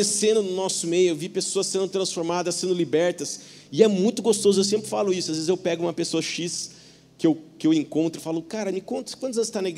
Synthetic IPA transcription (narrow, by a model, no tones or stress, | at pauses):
esẽnd̪ʊnʊnɔsʊmejʊewvipesoɐssẽnd̪ʊt̪ɾɐ̃sfoɾmad̪ɐssẽnd̪ʊlibɛɾt̪ɐs | ɪɛmũj̃t̪ʊɡost̪ozʊews̬ẽmpɾɪfalʊisʊazvezɪzewpɛɡʊũmɐpesoɐʃis | kɪewkɪewẽŋkõnt̪ɾɪfalʊkaɾɐmɪkõt̪ɾʊskwɐ̃t̪ʊzɐzɪst̪aneɡ